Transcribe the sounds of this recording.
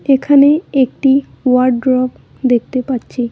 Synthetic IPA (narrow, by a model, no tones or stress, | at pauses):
ekʰaneek̚ʈi | waɾɖɖɾɔk | d̪ek̚ʰt̪epatːɕʰi